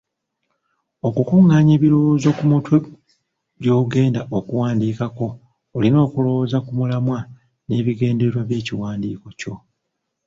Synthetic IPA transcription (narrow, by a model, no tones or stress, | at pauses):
o̞kukuŋːaːɲeːβilo̞wozo̞kumutwe | ɟo̞ːɡe̞ːndaʔokuwaːndiːkako̞ː | lino̞ːkulo̞wozakumulamwa | ne̞ːβiɡe̞ːndeɾwaβje̞ːciwaːndiːko̞co̞